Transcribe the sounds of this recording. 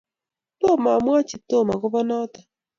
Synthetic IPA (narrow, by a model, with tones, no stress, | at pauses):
to˦˨ma˨mwa˦t͡ʃi˨to˦˨ma˨kʊ˦bɔ˦nɔ˦tḁ˨